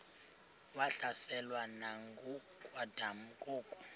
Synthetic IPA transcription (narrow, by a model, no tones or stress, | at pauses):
waɬasɛlwanaŋɡu | kʼwadʱam̩kʼuːkʼu̥